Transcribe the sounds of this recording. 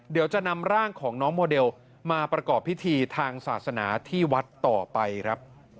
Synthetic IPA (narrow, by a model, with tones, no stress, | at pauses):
di˨˩˦wt͡ɕa˨˩na˧mɾaː˥˩ŋkʰɔː˩˦ŋnɔː˦˥ŋmoː˧de˧w | maː˧pɾa˧kɔː˨˩pʰːi˦˥t̪ʰiː˧t̪ʰaː˧ŋsaː˨˩t̪̚sa˧na̰ː˩˦t̪ʰiː˥˩wa˦˥t̪ːɔː˨˩pa˧jkʰɾa˦˥p̚